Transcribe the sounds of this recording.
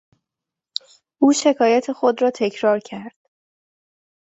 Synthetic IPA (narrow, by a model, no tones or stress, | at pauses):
ʔuːʃe̞kʰɒːjæt̪ʰe̞xo̞d̪ɾɒːt̪ʰe̞cʰɾɒːɾcʰæɾd̪̥